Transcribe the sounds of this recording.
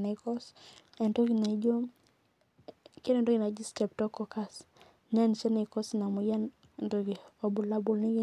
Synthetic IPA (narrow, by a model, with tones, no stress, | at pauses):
nɛ˨kɔ˦sɛ˨ndo˦ɡi˨na˨d͡ʒo˦m | ke˦ne˦ndo˦ɡi˨na˨d͡ʒi˦stɛ˨p̚tɔ˦kɔ˨ka˦s | ɲa˦nt͡ʃɛ˦nɛ˨kɔ˦sna˨mu˨ja˦n | e˨ndo˦ɡi˨ɔ˨bu˨la˦bʊ˨lni˦ɡi˦